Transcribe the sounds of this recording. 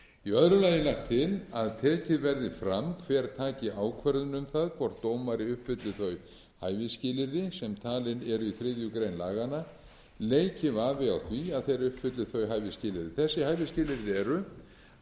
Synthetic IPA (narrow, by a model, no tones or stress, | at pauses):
iœðɾʏlaːjɪnlaxkt̪ʰːɪlaðt̪ʰɛːcɪðvɛɾðɪfɾamkʰvɛːɾt̪ʰaːcɪʔaːwkʰvɛɾðʏnʏmθaðkʰvɔɾ̥t̪ːowmaɾɪʏhpfʏt̪lɪθœɥ | haːjvɪscɪːlɪɾðɪsɛmt̪ʰaːlɪnɛɾʏiθɾɪðjʏkɾejnlaːɣana | leːjcɪvaːvɪawθviaðθejɾʏhpfʏt̪lɪθœɥɦajvɪscɪːlɪɾðɪθɛsːɪhaːjvɪscɪːlɪɾðɪɛɾʏ